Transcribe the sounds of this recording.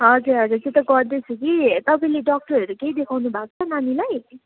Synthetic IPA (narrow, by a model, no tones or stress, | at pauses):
ɦʌd͡zuɾʌd͡zuɾtet̪ʌɡʌrd̪et͡sʰukit̪ʌpaĩleɖɔk̚ʈʌɾɦʌɾukeid̪ekʰawnubʱakt͡sʰʌnanilaj